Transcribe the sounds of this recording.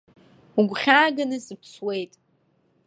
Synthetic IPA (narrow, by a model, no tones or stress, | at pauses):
uɡʷχʲaːɡanɨsɨpʰswe̞jtʼ